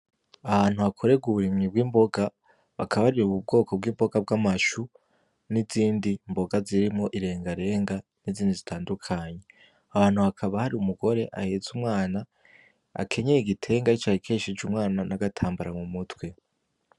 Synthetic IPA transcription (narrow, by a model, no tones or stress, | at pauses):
ahaːn̥huakʰo̞ɾe̞ɡuβuɾimɲib̚ɡiːmbo̞ɡa | βakʰaβaɾiɾuβub̚ɡo̞ːkʰo̞b̚ɡiːmbo̞ɡab̚ɡamaʃu | niziːndimbo̞ɡaziɾimo̞ʔiɾe̞ːŋɡaɾe̞ːŋɡaniziːndizitʰaːndukʰaːɲe̞ | aβaːn̥huβakʰaβahaɾiumuɡo̞ɾe̞ʔa̰heːz̥umŋaːna | a̰kʰe̞ɲeiɡitʰe̞ːŋɡait͡ʃahikʰeːʃid͡ʒumŋaːnanaɡatʰaːmbaɾaŋumutwe̞